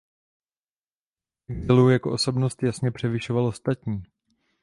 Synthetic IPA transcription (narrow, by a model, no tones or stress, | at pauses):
ʔɛɡzɪlujakoʔo̞so̞bno̞st̪jasɲɛpr̝̥ɛvɪʃovalʔo̞st̪at̪ɲiː